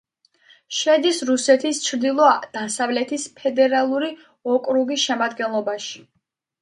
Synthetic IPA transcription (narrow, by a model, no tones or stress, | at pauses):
ʃɛd̪isɾusɛt̪ʰist͡ʃʰɾd̪ilˠɔad̪̥asavlɛt̪ʰispʰɛd̪ɛɾalˠuɾi | ɔkʼɾuɡisʃɛmad̪ɡɛnlˠɔbaʃi̥